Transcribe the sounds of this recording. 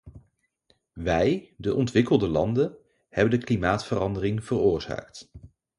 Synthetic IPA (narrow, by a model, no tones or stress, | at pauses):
ʋɛjdəʔɔntʋɪkəlˠdəlɑndən | hɛbəndəklimaːtfərɑndərɪŋv̥ərʊːɹz̥a̰ːkt